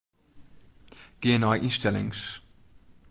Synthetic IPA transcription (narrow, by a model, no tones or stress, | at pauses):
ɡ̥eːɛ̃naɪʔɪnʃtɛlɪ̰̃ŋʃ